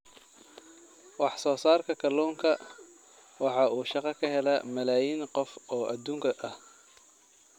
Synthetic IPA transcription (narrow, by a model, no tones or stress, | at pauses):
wɑħsɔːsaːrkʰɐkʰɐlɔːŋkʰɐ | wɑħɑuːʃɑqɑkʰɐɦɛlɐmɐlaːjiːnqɔfɔːʔɐd̪uːŋkʰɐʔɐh